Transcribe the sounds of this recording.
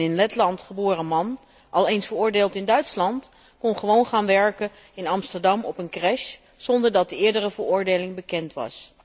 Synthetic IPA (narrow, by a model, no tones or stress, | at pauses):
ɪnlɛtlɑntχəboːrəmɑn | ʔɑlˠejnsfəɹʊːɹdeːlˠtɪndœɥtslɑnt | kɔnχəʋownχaːnʋɛɹkə | ɪnɑmstəɹdɑmɔpənkrɛʃ | sɔndəɹdɑt̚dəɪːɹdərəvəɹʊːɹdejlɪŋbəkɛntʋɑ̰s